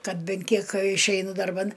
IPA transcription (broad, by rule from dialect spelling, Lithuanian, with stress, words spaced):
ˈkɐt ˈbʲɛn ˈkʲiɛk ɪʃʲˈɛɪnʊ dɐrˈbɐn